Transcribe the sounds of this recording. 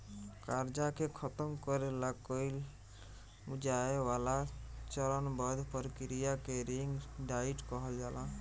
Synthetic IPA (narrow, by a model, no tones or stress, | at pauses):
kaɾd͡ʒakekʰɔt̪ɔmkɔɾelakojl | ud͡ʒaewalat͡ʃɔɾɔnbɔd̪ʱpɔɾkiɾijakeɾiŋɡɖaiʈkɔɦɔd͡ʒala